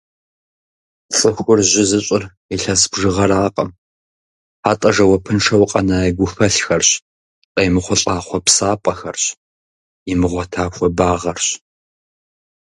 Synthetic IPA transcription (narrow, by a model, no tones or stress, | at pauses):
ɬʼɨxʷʊrʑɪzɨɕʼɪr | iɬɐsbʐɨʁɐɾaːqʼɐm | aːtʼɐʐɐwɐpʰɨnʈ͡ʂʰɐwqʼɐnaːjɡʷʊxɐɬxɐrɕ | ɬʼɐjmɨχʷʊɬʼaːχʷɔpsaːpʷʼɐxɐrɕ | imɨʁʷɔtʰaːxʷɔbaːʁɐrɕ